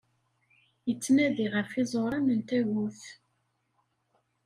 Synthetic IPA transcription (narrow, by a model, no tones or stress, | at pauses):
jət͡sːnæðiʁəɾfizˤoɾˤɑmənt̪æʝʊθ